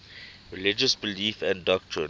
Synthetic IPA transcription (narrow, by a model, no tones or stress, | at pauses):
ɹilɪd͡ʒəsbɪliːfɛ̃ndɔk̚tʰɹɪ̰̃